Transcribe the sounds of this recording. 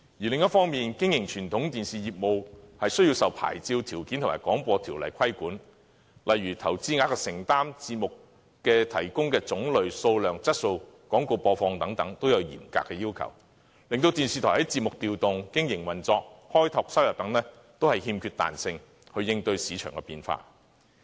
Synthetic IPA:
jyː˨˩lɪ˨ŋjɐ˥t̚fɔː˥ŋmiː˨nkɪ˥ŋjɪ˨˩ŋt͡ʃʰyː˨˩nt̪ʰʊ˨˥ŋt̪iː˨˩nsiː˨jiː˨p̚mo˨whɐ˨jsɵ˥ji˧wsɐ˨wpʰa̰ː˨˩jt͡siː˧wt̪ʰiː˨˩wkiː˨˥nt̪ʰmaː˨˩kɔː˨˥ŋpɔː˧t̪ʰiː˨˩wlɐ̰˨˩jkʰɐ˥jkuː˨˥n | lɐ˨jɥyː˨˩t̪ʰɐ˨˩wt͡siː˥ŋaː˧kɔ˧sɪ˨˩ŋt̪aː˥mt͡siː˧t̚mʊ˨k | kɛː˧t̪ʰɐ̰˨˩jkʊ˥ŋkɛː˧t͡sʊ˨˥ŋlɵ˨ɥso˧wlœː˨ŋt͡sɐ˥t̚so˧wkɔː˨˥ŋko˧wpɔː˧fɔː˧ŋt̪ɐ˨˥ŋt̪ɐ˨˥ŋt̪o˥wjɐ˨˧wjḭː˨˩mka̰ː˧kːɛː˧jiː˥wkʰɐ̰˨˩w | lɪ˨˧ŋt̪o˧wt̪iː˨nsiː˨t̪ʰɔː˨˩hɐ˨˥jt͡siː˧t̚mʊ˨k̚t̪iː˨wt̪ʊ˨ŋkɪ˥ŋjɪ˨˩ŋwɐ˨nt͡sɔː˧k̚hɔː˥jt̪ʰɔː˧k̚sɐ˥wjɐ˨˩p̚t̪ɐ˨˥ŋlɛː˥ | t̪o˥whɐ˨jhiː˧mkʰyː˧t̚t̪a̰ː˨nsɪ˧ŋ | hɵ˧ɥjɪ˧ŋt̪ɵ˧ɥsiː˨˧t͡ʃʰœː˨˩ŋkɛː˧piː˨˧nfa̰ː˧

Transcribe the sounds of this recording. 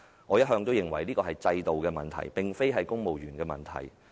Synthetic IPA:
ŋɔː˨˧jɐ˥t̚ɦœː˧ŋt̪o˥wjɪ˨˩ŋwɐ˨˩jliː˥kɔː˧hɐ˨jt͡sɐ˧jt̪o˨wkɛː˧mɐ̰˨nt̪ʰɐ̰˨˩jpɪ˨˩ŋfe˥jɦɐ˨jkʊ˥ŋmo˨wjyː˨˩nkɛː˧mɐ̰˨nt̪ʰɐ̰˨˩j

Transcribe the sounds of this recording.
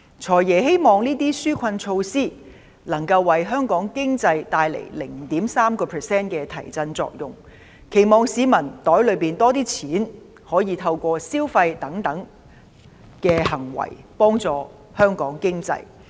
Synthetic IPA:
t͡ʃʰɔː˨˩jjɛː˨˩ɦe˥jmɔː˨˩ŋniː˥t̪̬iː˥syː˥kʷʰɐ˧nt͡ʃʰo˧wsiː˥ | lɐ˨˩ŋkɐ˧wːɐ˨jɦœː˥ŋkɔː˨˥ŋkɪ˥ŋt͡sɐ˧jt̪aː˧jlḛ˨˩jlɪ̰˨˩ŋ˨t̪iː˨˥msaː˥mkɔː˧pʰɛː˨sɛː˥nkɛː˧t̪ʰɐ˨˩jt͡sɐ˧nt͡sɔ̰ː˧k̚jʊ˨ŋ | kʰe˨˩jmɔː˨ŋsiː˨˧mɐ˨˩nt̪ɔː˨˥jlɵ˨˧ɥpiː˨˩nt̪ɔː˥t̪iː˥t͡sʰiː˨˥n | hɔː˨˥jiː˨˧t̪ʰɐ˧wkʷɔː˧siː˥wfɐ˧jt̪ɐ˨˥ŋt̪ɐ˨˥ŋ | kɛː˧hɐ˨˩ŋwɐ̰˨˩jpɔː˥ŋt͡sɔː˨ | hœː˥ŋkɔː˨˥ŋkɪ˥ŋt͡sɐ̰˧j

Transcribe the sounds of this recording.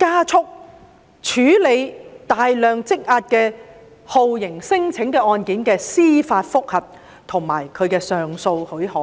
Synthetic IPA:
kaː˥t͡sʰʊ˥k̚ | t͡ʃʰyː˨˥le˨˧jt̪aː˨jlœː˨ŋt͡sɪ˥k̚aː˧t̚kɛː˧ | ho˨wjɪ˨˩ŋsɪ˥ŋt͡sʰɪ˨˥ŋkɛː˧ɔː˧nkiː˨˥nkɛː˧siː˥faː˧t̚fʊ˥k̚hɐ˨p̚ | t̪ʰʊ˨˩ŋma̰ː˨˩jkʰɵ˨˧ɥkɛː˧sœː˨ŋso˧whɵ˨˥ɥhɔː˨˦

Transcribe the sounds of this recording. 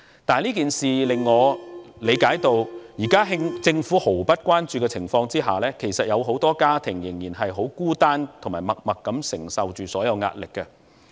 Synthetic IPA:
t̪aː˨˧nliː˥kiː˨nsiː˨lɪ˨ŋːɔː˨˧le˨˧jkaː˨˥jt̪o˧wjiː˨˩kaː˥ɦɪ˥ŋt͡sɪ˧ŋfuː˨˥ho˨˩wpɐ˥t̚kʷwaː˥nt͡ʃyː˧kɛː˧t͡sʰɪ˨˩ŋfɔː˧ŋt͡siː˥ɦa̰ː˨lɛː˥kʰe˨˩jsɐ˨t̚jɐ˨˧wɦo˨˥wt̪ɔː˥kaː˥t̪ʰɪ˨˩ŋjɪ˨˩ŋjiː˨˩nɦɐ˨jɦo˨˥wkuː˥t̪aː˥nt̪ʰŋmaː˨˩jmɐ˨k̚mɐ˨kːɐ˨˥msɪ˨˩ŋsɐ˨wt͡ʃyː˨sɔː˨˥jɐ˨˧wŋa̰ː˧t̚lɪ˨kːɛ˧

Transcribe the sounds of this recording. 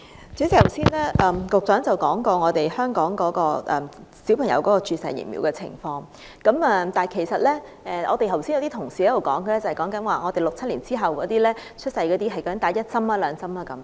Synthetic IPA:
t͡ssi˨˩˨wsiː˥nlɛː˥ʔɐ˨mkʊ˨k̚t͡sœː˨˥ŋt͡sɐ˨wkɔː˨˥ŋkɔː˧ŋɔː˨˧t̪e˨jhœː˥ŋkɔː˨˥ŋkɔː˨˥kɔː˧ʔɛː˨˩si˨˥wpʰɐ˨˩ŋjɐ̰˧wkɔː˨˥kɔː˧t͡ʃyː˧sɐ̰˨jḭ˨˩nmḭː˨˧wkɛ˧t͡sʰɪ̰˨˩ŋfɔː˧ŋ | kɐ˨˥maː˧t̪aː˨˩nkʰe˨˩jsɐ˨t̚lɛː˥ | ɛː˨˧ʔɔː˨˧t̪e˨jhɐ˨˩wsiː˥jwt̪iː˥t̪ʰʊ˨˩ŋsiː˨hɛ˨˥d̪o˨wkɔː˨˥ŋkə˧lɛː˥t͡sɐ˨hjkɔː˨˥ŋkɐ˨˥nwaː˨˩ŋɔː˨˧e˨jlʊ˨k̚t͡sʰɐ˥t̚liː˨˩nt͡siː˥ɦɐ˨˩wkɔː˨˧˥t̪iː˥lɛː˥ | t͡ʃʰɵ˥t̚sɐ˧jkɔː˨˥t̪iː˥ɦɐ˨jkɔː˧˥t̪aː˨˥jɐ˥t̚sɐ˥maː˨lœː˨˧ŋsɐ˥maː˨˧kɐ˨˦m

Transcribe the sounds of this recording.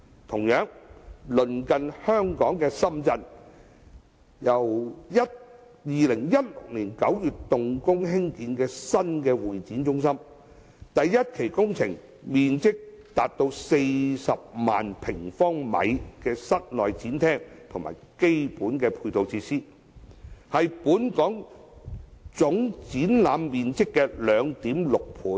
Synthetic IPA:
t̪ʰʊ˨˩ŋjœː˨˥ŋlɵ˨˩nkɐ˨˧nhœː˥ŋkɔː˨˥ŋkɛː˧sɐ˥mt͡sɐ˧n | jɐ˨˩wjɐ˥t̚ | jiː˨lɪ˨˩ŋjɐ˥t̚lʊ̰˨k̚liː˨˩nkɐ˨˥wjyː˨tt̪ʊ˨˧ŋkʊ˥ŋhɪ˥ŋkiː˨˥nkɛː˧sɐ˥nkɛː˧wuː˨jt͡siː˨˥nt͡sʊ˥ŋsɐ˥m | t̪ɐ˨jːɐ˥t̚kʰe˨˩jkʊ˥ŋt͡sʰɪ˨˩ŋ | miː˨nt͡sɪ˥k̚t̪aː˨t̚t̪o˧wse˧jsɐ˨p̚ma̰ː˨npʰɪ˨˩ŋfɔː˥ŋmɐ̰˨˧jkɛː˧sɐ˥t̚lɔː˨jt͡siː˨˥nt̪ʰɛː˥ŋt̪ʰʊ˨˩ŋma̰ː˨˩jke˥jpuː˨˥nkɛː˧pʰuː˧jt̪o˨˧wt͡sʰiː˧siː˥ | hɐ˨jpuː˨˥nkɔː˨˥ŋ | t͡sʊ˨˥ŋt͡siː˨˥nlaː˨˧mːiː˨nt͡sɪ˥kːɛː˧lœː˨˧ŋt̪iː˨˥mlʊ˨k̚pʰuː˨˥n

